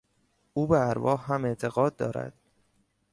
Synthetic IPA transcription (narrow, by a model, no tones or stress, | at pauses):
ʔuːbeæɾvɒːhɦæme̞ʔt̪ʰe̞ɣɒːd̪̚ːɒ̰ːɾæ̰d̪̥